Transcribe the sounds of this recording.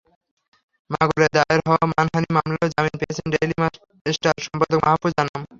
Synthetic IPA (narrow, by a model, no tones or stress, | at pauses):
maɡoled̪aeɾɦɔamanɦanimamlaod͡ʑaminpeet͡ɕʰenɖejlima | esʈaɾʃɔmpad̪okmaɦapːud͡ʑanam